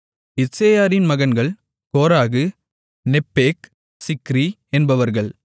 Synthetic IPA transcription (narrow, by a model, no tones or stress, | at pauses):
ɪseːjaːɾɪnmɐɣɐnɡɐɭ | koːɾaːɣɯ | nɛpːeːk | sɪkːɾi | ɛnbɐʋɐɾɣɐɭ